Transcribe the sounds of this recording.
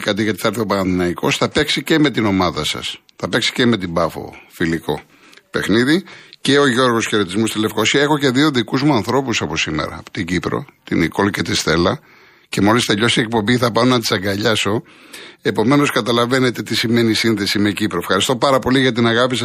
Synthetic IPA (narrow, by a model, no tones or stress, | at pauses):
kɐt̪iɣɐt̪iθɐɾθeopɐnɐnðinɐiko̞sθɐpe̞ksice̞me̞t̪ino̞mɐðɐsɐ̰s | θɐpe̞ksi̥ce̞me̞t̪ibɐfo̞̰filiko̞̰ | pe̞xniðice̞o̞ʝo̞ɾɣo̞sçeɾo̞t̪izmust̪ile̞fko̞siɐe̞xo̞ce̞ðio̞ðikuzmuɐnθɾo̞pusɐpo̞simḛɾɐ̰ːpo̥t̪iɟipɾo̰t̪iniko̞lce̞t̪ist̪e̞lɐ | ce̞mo̞list̪eʎo̞sie̞k̚po̞mbiθɐpɐonɐt̪i̥sɐŋɡɐʎɐso̞ | e̞po̞me̞no̞skɐt̪ɐlɐve̞net̪e̞t̪isime̞nisinθe̞sime̞cipɾoefxɐɾist̪o̞pɐɾɐpo̞liɣɐt̪inɐɣɐpisɐs